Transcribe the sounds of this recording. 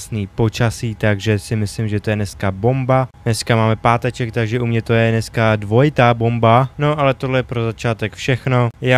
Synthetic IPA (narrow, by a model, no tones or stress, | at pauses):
sniːpo̞t͡ʃasiːt̪aɡʒɛsɪmɪslɪmʒɛt̪o̞jɛnɛskabo̞mbanɛskamaːmɛpaːt̪ɛt͡ʃɛk̚t̪aɡʒɛʔumɲɛt̪o̞jɛnɛskadvo̞jɪt̪aːbo̞mbano̞ʔalɛt̪oɦlɛjɛpɾo̞zat͡ʃaːt̪ɛkfʃɛxno̞jaː